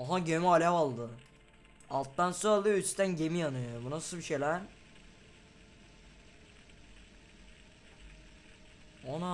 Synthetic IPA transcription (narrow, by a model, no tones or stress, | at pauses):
oɦaɟemyalʲapalˠd̪ɯ | alˠt̪ːansualˠd̪ɯyt͡ʃt̪ænɟemijanɯjobunasɯlˠbiʃejlʲæɾ | ona